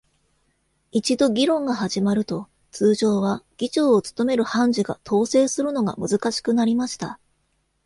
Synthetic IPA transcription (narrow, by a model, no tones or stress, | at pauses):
it͡ɕid̪o̞ɡʲiɾõ̞ŋɡahaʑimaɾɯ̟t̪o̞ | t͡sɨːʑo̞ːβaɡ̥ʲit͡ɕo̞ːt͡sɨ̥t̪o̞me̞ɾɯ̟hãɲ̟d͡ʑiɡa̰t̪ʰo̞ːse̞ːsɨɾɯ̟no̞ɡa̰mɯ̟zɨkaɕi̥kɯ̟naɾʲimaɕi̥t̪a̰